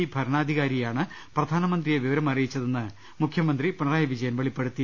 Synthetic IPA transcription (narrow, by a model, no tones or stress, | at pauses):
ibʱɐɾɳaːd̪ʱiɣaːɾijaːɳɨ | prɐd̪ʱaːnɐmɐnd̪rijeʋiʋɐɾɐmɐrijit͡ɕːɐðenːɨ | mukʰjɐmɐnd̪ripuɳɐraːjɐʋid͡ʑɐjɐnʋeɭipːeɽut̪ːi